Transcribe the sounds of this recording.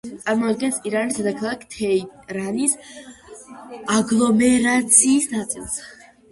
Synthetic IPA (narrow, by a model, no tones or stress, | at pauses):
t̪sʼaɾmɔd̪ɡɛnsiɾanisd̪ad̪akʰalˠakʰt̪ʰɛɾanis | aɡlˠɔmɛɾat̪sʰiːsnat̪sʼilˠs